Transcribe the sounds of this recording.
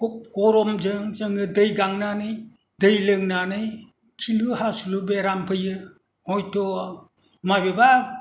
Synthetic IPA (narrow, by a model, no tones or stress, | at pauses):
ɔp̚ɡɔɾɔmd͡ʒɯŋd͡ʒɯŋɯdɯjɡaŋnanɯj | dɯjlɯŋnanɯj | kʰilɯɦasulubeɾampʰɯjɯ | ɔjtɔ | majbeba